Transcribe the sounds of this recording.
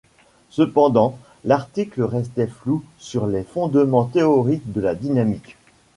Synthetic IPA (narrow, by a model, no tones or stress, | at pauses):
səpɑ̃d̪ɑ̃ | laʁt̪ikləʁɛst̪ɛflusyʁlefɔ̃d̪mɑ̃t̪eɔʁik̚d̪əlad̪inamik